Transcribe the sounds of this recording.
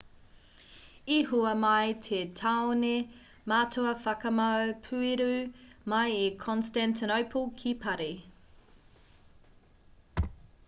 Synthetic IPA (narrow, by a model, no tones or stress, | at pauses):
iɦuɐmɐjtʰetʰaːone | maːtʰoɐfɐkɐmɐwpʰʉeɾʉmɐjekʰɔnstantʰinowpʰolkʰipʰɐɾe